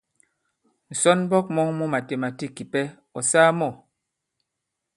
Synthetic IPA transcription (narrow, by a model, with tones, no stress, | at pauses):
n̩˨sɔ˦n˦bɔ˦k̚mɔ˦ŋmɔ˦ma˨te˨ma˨ti˦kːi˨pɛ˦ | ɔ˨saː˦mɔ˦˨